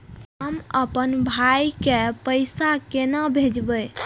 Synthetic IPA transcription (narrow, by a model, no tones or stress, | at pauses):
ɦəməpənbʱajkepəjsakenabʱed͡ʒbəj